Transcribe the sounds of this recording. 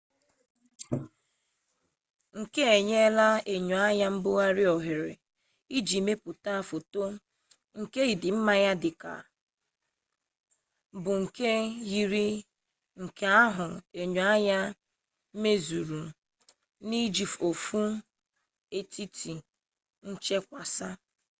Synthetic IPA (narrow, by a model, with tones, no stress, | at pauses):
ŋ̩˨ke˦e˨ɲe˦la˦e˨ɲu˨a˦ja˦m̩˦bʊ˦ɣa˦ɾɪ˦ɔ˨ɦe˨ɾe˨ | i˦d͡ʒi˨me˦pʊ˨ta˦˨fo˨to˦ | ŋ̩˨ke˦i˨dɪ˨m̩˦ma˨ja˦dɪ˨ka̰˨ | bʊ˨ŋ̩˨ke˦ji˦ɾi˦ | ŋ̩˨ke˦a˦ɦʊ˨e˨ɲu˨a˦ɲa˦ | me˦zu˨ɾu˨ | ni˦d͡ʒi˨fo˨fu˦ | e˦ti˦tʰi˨ | n̩˦t͡ʃe˦kʷa˨sa˦